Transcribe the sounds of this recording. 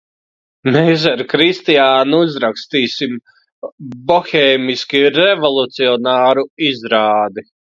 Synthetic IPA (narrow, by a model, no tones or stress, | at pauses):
mes̬aɾkɾist̪ijaːnuuzɾakst̪iːsim | bɔxɛːmiskʲiɾɛvɔlˠut̪siɔnaːɾuizɾaːd̪i